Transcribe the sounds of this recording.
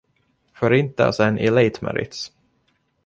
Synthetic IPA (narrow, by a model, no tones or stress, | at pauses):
fœɾɪnt̪əa̰sɛnʔɪlejt̪mæ̰ɾɪ̰t̪s